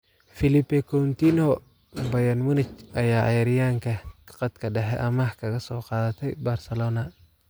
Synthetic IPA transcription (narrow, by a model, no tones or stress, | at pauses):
fɪlɪpːɛkʰɔɾʊnt̪iːnɔ | bɐjɐnmʊnɪt͡ʃʔɐjaːʔɑ̰jɐɾɪjaːŋkʰɐkʰɑ̥qɑt̪kʰɐɖɛħɛ̰ʔɐmaħkʰɐɣɐsɔːqɑːðɐt̪ʰɛjbarsɐlɔːnɐ